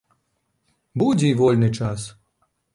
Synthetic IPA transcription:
bud͡zʲɛivɔlʲnɨt͡ʂas

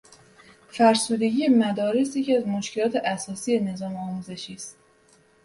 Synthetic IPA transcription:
fæɾsuːd̪e̞ɟiːe̞mæd̪ɒːɾesjecʰiæzmoʃkʰe̞lɒːt̪ʰe̞ʔæsɒːsije̞ne̞zɒːmɒːmuːze̞ʃiːst̪

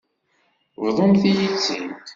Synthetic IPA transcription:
vðˤomθijit͡sːint̪

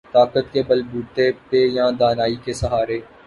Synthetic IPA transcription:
t̪aːkət̪̚kebɐlbuːt̪epejãːd̪aːnaːikesɐɦaːɾeː

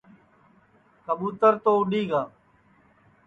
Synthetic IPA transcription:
kəɓuːt̪əɾt̪oːʊɖiːɡaː

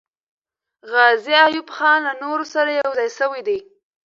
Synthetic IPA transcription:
ɣɑziajubxɑnlanoɾosaɾajawzɑjsəwid̪i

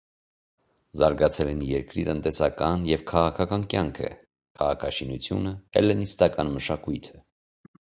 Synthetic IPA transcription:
zɑɾɡɑt͡sʰɛlɛnjɛɾkɾit̪ənt̪ɛsɑkɑnjɛvkʰɑʁɑkʰɑkɑnkjɑŋkʰə̰ | kʰɑʁɑkʰɑʃinut͡sʰjunəɛ̰lɛnist̪ɑkɑnməʃɑkujt̪ʰə

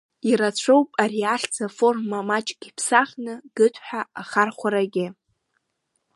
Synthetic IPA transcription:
iɾat͡ɕʷʰowpʼariaɬʲt͡sʰafo̞rmːamat͡ʃʼɡ̥ʲipʰsaχnɨɡ̥ɨtʰʼħʷᶣaaχarχʷaɾaɡʲɪ

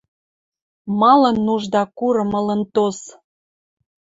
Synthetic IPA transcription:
mɑlənːuʒd̪ɑkuɾɤ̆mələnt̪os

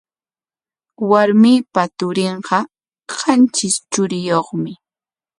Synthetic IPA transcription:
waɾmiːpat̪ʊɾɪɴɢɑ | ɢɑnt͡ʃɪst͡ʃʊɾɪjoχmɪ

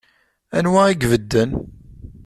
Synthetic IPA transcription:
ænwæiɡvəd̪ːən

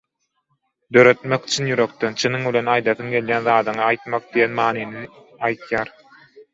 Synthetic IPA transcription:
d̪ø̞ɾø̞t̪meki̥t͡ʃʰinjyɾø̞k̚t̪ent͡ʃʰinɯŋbile̞nɑjd̪ɑθɯŋɡe̞ljænðɑɑːd̪ɯŋɑɑjt̪mɑq̚d̪ijenmɑːnini | ɑjt̪jɑːɾ

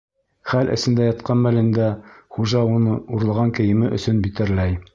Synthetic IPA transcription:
χælʔɘ̰̆sɘ̆nd̪æjɑt̪qɑnmælɘ̆nd̪æχuʒɑunɤuɾɤ̆lˠʁɑŋkɘ̆jɘ̆mɘʔɵ̆sɵnbit̪ɘ̆ɾlæj

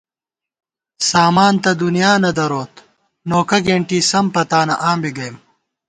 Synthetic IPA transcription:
saːmaːnt̪ɐd̪unijaːnɐd̪ɐɾoːt̪ | noːkɐɡeɳʈiːsɐmpɐt̪aːnɐ̰ʔaːmbiɡɐjm

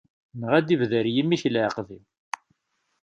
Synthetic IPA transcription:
nəʁæd̪ivðəɾjimːiçlʕəqði

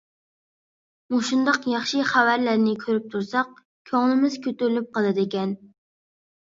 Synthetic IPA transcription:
muʃund̪ɑqjɑχʃɨχævæɾlæɾnɪkʲʰøɾyp̚t̪ʰuɾsɑq̚ | kʲʰøŋlˠɪmɪz̥kʲʰøt̪yɾlyp̚qɑlˠɨd̪ekʲɛn

